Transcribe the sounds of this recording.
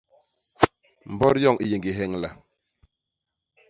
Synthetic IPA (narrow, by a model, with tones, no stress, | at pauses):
m̩˨bɔ˦ɾjɔ˦˨ŋʔi˨je˨ŋɡi˨ɦɛ˦˨ŋla˨